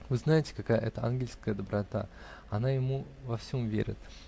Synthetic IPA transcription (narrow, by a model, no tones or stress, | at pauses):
vɨznajɪtʲɪ̥kakajəʔɛt̪əanɡʲɪlʲskəjəd̪əbɾɐt̪a̰ | ɐnajɪmu | vɐfsʲomvʲḛɾʲɪ̰t̪